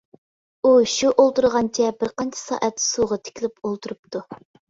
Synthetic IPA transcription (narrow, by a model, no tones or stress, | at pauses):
uʃuʔolˠt̪uɾʁɑnt͡ʃʰɛbɪɾqɑnt͡ʃʰɛ̥sɑ̰ːʔɛt̪ːsuʁɑt̪ʰɪ̥kʲʰlɪpolˠt̪ʰuɾup̚t̪ʰu